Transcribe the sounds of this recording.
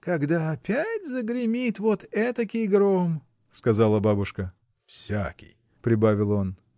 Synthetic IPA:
kɐɡd̪aɐpʲætʲzəɡɾʲɪmʲit̪vot̪ɛt̪əkʲɪjɡɾom | skɐzalˠəbabʊʂkə | fsʲa̰kʲḭj | pɾʲɪbavʲɪlˠo̞n

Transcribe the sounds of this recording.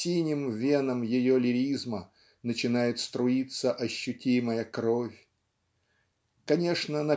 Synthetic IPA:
inʲɪmvʲenəmjɪjolʲɪɾʲizmə | nət͡ɕɪnajɪt̪st̪ɾʊit̪səʔɐɕːʊtʲiməjəkɾofʲ | kɐnʲe̞ʂnənɐ

